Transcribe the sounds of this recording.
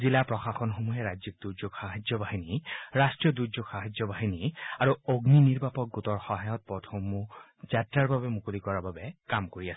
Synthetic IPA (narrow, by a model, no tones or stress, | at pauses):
zilapɹɔxaxɔnxomuɦɛɹazik̚d̥uɹzoɡxaɦazjɔbaɦiniɹastɹijɔduɹd͡ʒoɡxaɦazjɔbaɦiniaɹuoɡniniɹbapɔk̚ɡutɔɹxɔɦajɔt̚pɔtʰɔmːu | zatɹaɹbabɛmukulikɔɹababɛkamkoɹiasɛ